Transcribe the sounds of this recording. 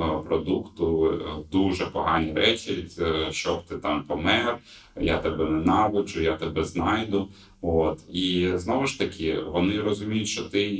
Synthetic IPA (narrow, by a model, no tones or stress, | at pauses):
pɾɔd̪ukt̪ʊd̪uʒɛpɔɦɑnʲiɾɛt͡ʃʲiʃt͡ʃɔbt̪ɪt̪ɑmpɔmɛr | jat̪ɛbɛnɛnɑʋɪt͡ʃʊjat̪ɛbɛznɑjd̪ʊ | ot̪iznɔʋʊʃt̪ɐkʲɪʋɔnɪrɔzʊmʲijʊtʲʃt͡ʃɔt̪ɪ